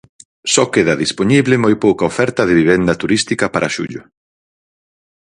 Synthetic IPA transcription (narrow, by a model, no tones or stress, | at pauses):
sɔkeðɐðispoɲiβlɪmojpowkɐofɛɾt̪ɐðɪβiβɛnd̪ɐt̪uɾist̪ikɐpaɾʔaʃṵʎʊ